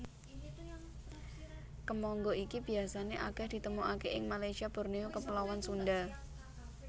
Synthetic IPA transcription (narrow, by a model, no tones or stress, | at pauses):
kəmɔŋɡoʔikib̥i̤asaneʔakɛhd̪̥i̤t̪əmuʔakeʔɪŋmalajsiab̥o̤rneokəpəlawansunɖa